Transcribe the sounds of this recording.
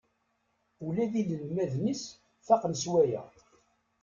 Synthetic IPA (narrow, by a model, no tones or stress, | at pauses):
ulæðiləlmæðnis | θɑqnəswæjæ̰